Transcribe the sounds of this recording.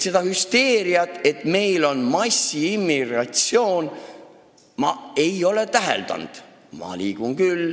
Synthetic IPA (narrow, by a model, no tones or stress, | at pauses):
se̞d̪̥ɑhyst̪e̞ːɾiɑt̪ːˑe̞t̪ˑme̞jlo̞nmɑsːiimːiɡrɑt̪sjo̞ːn | mɑe̞jo̞le̞t̪æɦḛld̪ɑ̰nd̪̥ | mɑ̰liːɡ̥unkyl